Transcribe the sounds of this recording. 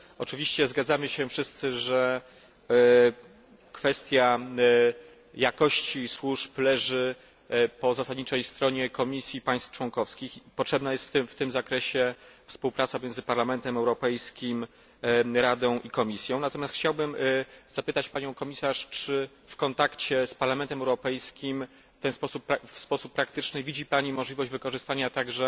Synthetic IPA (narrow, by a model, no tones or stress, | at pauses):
ɔt͡ʂɘvʲiɕt͡ɕɛzɡad̪zamɘɕɛfʂɘst̪sɘʐɛ | kfɛst̪ʲja | jakɔɕt͡ɕiswuʂplɛʐɘ | pɔzasad̪ɲit͡ʂɛjst̪ɾɔɲɛkɔmʲisʲjipaj̃st̪ft͡ʂwɔŋkɔfskʲixpɔtʂɛbnajɛst̪ft̪ft̪ɘmzakɾɛɕɛfspuwpɾat̪sapɔmʲjɛ̃nzɘpaɾlamɛnt̪ɛmɛwɾɔpɛjskʲim | ɾad̪ɔ̃w̃ʔikɔmʲisʲjɔ̃w̃nat̪ɔmʲjast̪xt͡ɕawbɘmz̥apɘt̪at͡ɕpaɲɔ̃w̃kɔmʲisaʂt͡ʂɘ | fkɔnt̪akt͡ɕɛspaɾlamɛnt̪ɛmɛwɾɔpɛjskʲim | ft̪ɛnspɔsupːafspɔsupːɾakt̪ɘt͡ʂnɘvʲid͡ʑipaɲimɔʐlʲivɔʑd͡ʑvɘkɔʐɘst̪aɲat̪aɡʐɛ